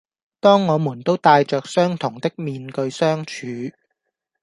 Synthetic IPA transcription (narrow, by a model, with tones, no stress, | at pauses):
t̪ɔː˥ŋːɔː˨˧muː˨˩nt̪o˥wt̪aː˧jt͡ʃœː˨k̚sœː˥ŋt̪ʰʊ˨˩ŋt̪ɪ˥k̚miː˧nkɵ˧ɥsœː˥ŋt͡ʃʰyː˨˧